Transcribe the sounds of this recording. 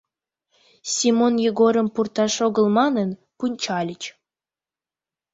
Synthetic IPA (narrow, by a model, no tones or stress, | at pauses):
sʲimonjeɣoɾəmpurt̪ɑʃoɣə̆lmɑnən | punʲt͡ɕɑlʲət͡ɕ